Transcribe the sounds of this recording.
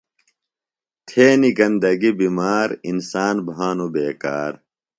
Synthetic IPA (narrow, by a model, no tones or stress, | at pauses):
t̪ʰeːniɡɐnd̪ɐɡibimaːɾinsaːnbʱaːnubeːkaːɾ